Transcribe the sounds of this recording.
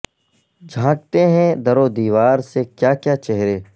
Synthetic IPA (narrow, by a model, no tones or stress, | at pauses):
d͡ʒʱãːk̚t̪eɦɛ̃d̪ɐɾod̪iːʋaːɾsekjaːkjat͡ʃɛɦɾeː